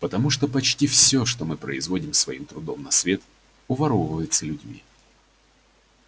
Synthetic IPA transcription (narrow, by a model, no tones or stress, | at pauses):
pət̪ɐmuʂt̪opɐt͡ɕtʲifsʲo̞ʂt̪omɨpɾə̰ɪzvo̞dʲɪmsvɐimt̪ɾʊd̪o̞mnɐsvʲe̞t̪ | ʊvɐɾovəvəjɪt̪səlʲʉdʲmʲḭ